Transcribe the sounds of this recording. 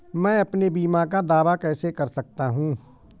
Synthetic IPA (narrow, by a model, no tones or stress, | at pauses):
mɛ̃ːɐpnebiːmakad̪aːʋakɛːsekɐɾsɐk̚t̪aɦũː